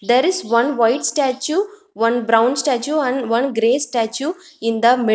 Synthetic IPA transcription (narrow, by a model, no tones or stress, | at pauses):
d̪eɾɪzʋʌ̃nʋaɪʈsʈæt͡ʃu | ʋʌ̃nbɾãʊ̃nsʈæt͡ʃuæ̃nɖʋʌ̃nɡɾeːsʈæt͡ʃuɪ̃nd̪əmɪ